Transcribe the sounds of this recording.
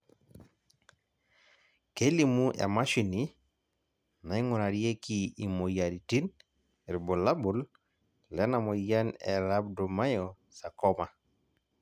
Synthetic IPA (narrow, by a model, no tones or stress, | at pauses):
kelimuʔḛmaʃini | naiŋunaɾiekiimojaɾitin | ɾbolabul | lɛnamojanḛlabdumajo | sakoma